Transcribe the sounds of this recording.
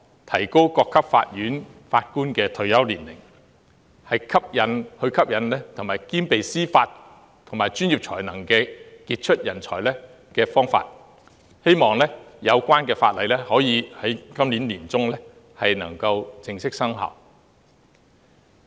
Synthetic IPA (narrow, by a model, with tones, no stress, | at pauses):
t̪ʰɐ˨˩jko˥wkɔː˧kʰːɐ˥p̚fa̰ː˧t̚jyː˨˥nfaː˧t̚kuː˥nkɛː˧t̪ʰɵ˧ɥjɐ˥wliː˨˩nlɪ̰˨˩ŋ | hɐ˨jkʰɐ˥p̚jɐ˨˥nhɵ˧kʰɐ˥p̚jɐ˨˥nlɛ˥t̪ʰʊ˨˩ŋmaː˨˩jkiː˥npe˨jsiː˥faː˧t | t̪ʰʊ˨˩ŋmaː˨˩jt͡ʃyː˥njiː˨p̚t͡ʃʰɔ̰ː˨˩jnɐ˨˩ŋkɛː˧kiː˧t̚t͡ʃʰɵ˥t̚jɐ˨˩nt͡sʰɔː˨˩jlɛ˥ | kɛː˧fɔː˥ŋfa̰ː˧t̚ | he˥jmɔː˨ŋlɛ˥jɐ˨˧wkʷaː˥nkɛː˧faː˧t̚lɐ˨˧jlɛ˥hɔː˨˥jiː˨˧hɐ˨˥jkɐ˥mliː˨˥nliː˨˩nt͡sʊ˥ŋlɛː˥ | hɐ˨jnɐ̰˨˩ŋkɐ˧wt͡sɪ˨˩ŋsɪ˥k̚sɐ˥ŋɦɐ̰˨˩w